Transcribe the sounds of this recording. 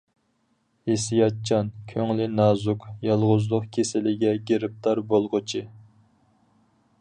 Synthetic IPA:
hesijɑt̪̚t͡ʃʰɑnkʲʰøŋlɪnɑːzukjɑlˠʁʊzlˠʊqkʲʰesɪlɪɡʲɛɡʲeɾɪp̚t̪ʰɑɾbolˠʁʊt͡ʃʰi

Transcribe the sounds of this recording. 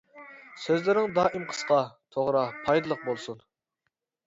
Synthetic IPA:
søzlɪɾɪŋd̪ɑːʔimqʰə̥sqɑt̪ʰoʁɾɑpʰɑjd̪ɨlˠəq̚bolˠsun

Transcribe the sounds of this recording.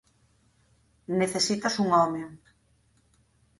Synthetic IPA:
neθesit̪ɐsuŋɔme

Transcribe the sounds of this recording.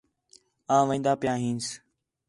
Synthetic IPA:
ãːʋẽːnd̪aːpɪjãːɦĩːns

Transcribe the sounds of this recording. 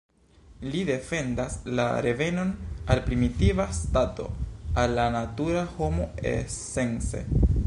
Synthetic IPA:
lide̞fe̞ndasla̰ɾe̞ve̞no̞nalpɾimitivastato̞̰alːanatuɾaho̞mo̞ḛse̞nse̞̰

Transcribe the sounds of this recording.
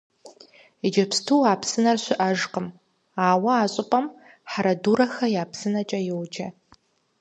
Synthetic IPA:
id͡ʒɐpstʰuːaːpʰsɨnɐrɕʷɪʔɐʒqəm | aːwɐaːɕʼɪpʼɐm | ħaɾɐduːɾɐxɐjaːpʰsɨnɐt͡ʃʼɐjɪwd͡ʒɐ

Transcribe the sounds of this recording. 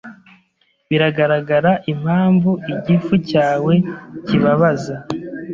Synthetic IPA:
βiɾaɡaɾaɡaɾaʔim̥haːɱvuiɟifucaːwe̞ciβaβaza

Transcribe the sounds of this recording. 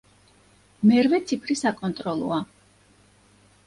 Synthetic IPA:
mɛɾvɛt̪sʰipʰɾisakʼɔnt̪ʼɾɔlˠɔ̰a

